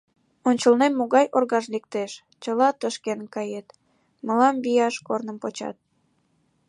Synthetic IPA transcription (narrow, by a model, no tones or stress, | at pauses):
onʲt͡ɕəlnemːoɣɑjʔorɣɑʃlek̚t̪eʃ | t͡ɕəlɑt̪əʃkenkɑjet̪ | məlɑmβijɑʃkornəmpot͡ɕɑ̰t̪̚